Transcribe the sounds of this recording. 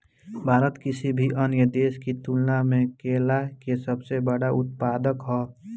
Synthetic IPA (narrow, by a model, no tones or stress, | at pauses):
bʱaːɾət̪kɪsibʱiʔənjəd̪eːskit̪ulnamẽkeːlakesəbsebəɽaʊt̪paːd̪əkɦɔː